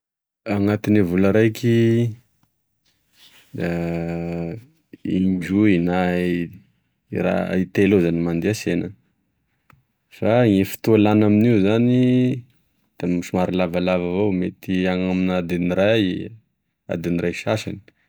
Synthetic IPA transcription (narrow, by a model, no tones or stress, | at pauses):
aŋat̪inavulaɾajkʰi | d̪a | ḭɲd͡ʒuina | ɾa̰it̪elozanimand̪iasenə | faŋefi̥t̪ualanaminiuzani | d̪̥amiʃumaɾilavalavavowmet̪iaŋaminad̪iniɾaj | a̰d̪inirajʃaʃani̥